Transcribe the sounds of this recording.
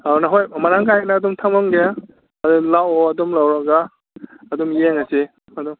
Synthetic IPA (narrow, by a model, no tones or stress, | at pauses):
awnaɦojmaɾaŋkajnaːdɔmtʰamaŋɡeja | ɐdɔlawɔɐdɔmlawɾaɡaː | dɔmjeŋase | ɐdɔm